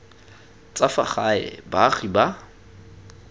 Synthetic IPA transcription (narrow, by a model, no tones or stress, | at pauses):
t͡sʼafaχaɛ̰baχiba